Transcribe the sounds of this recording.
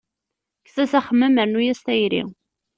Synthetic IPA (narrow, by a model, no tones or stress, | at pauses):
kθæsæχəmːæməɾnujæst̪æjɾḭ